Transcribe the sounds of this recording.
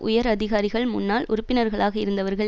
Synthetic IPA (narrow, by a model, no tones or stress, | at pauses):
ʔʊjɐɾɐðɪɣaːɾɪɣɐɭmʊnːaːlʊ̰ɾʊpːɪnɐɾɣɐɭaːɣɐɪɾɯnd̪ɐʋɐɾɣɐ